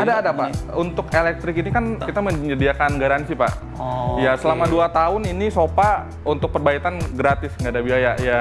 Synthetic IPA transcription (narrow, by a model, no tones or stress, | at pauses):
adaːdapaunt̪ʊkelɛk̚t̪ɾɪkinikankit̪aməɲədiakanɡaɾansipa̰ʔ | jasəlamaduat̪aʊninisopa | unt̪ʊk̚pərbait̪anɡɾat̪ɪsŋɡadabiajaja